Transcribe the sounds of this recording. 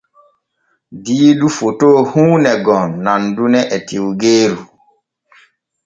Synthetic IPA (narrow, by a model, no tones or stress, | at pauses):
diːɗufotohuːnɛɡɔnːandunɛʔɛtiwɡeːɾu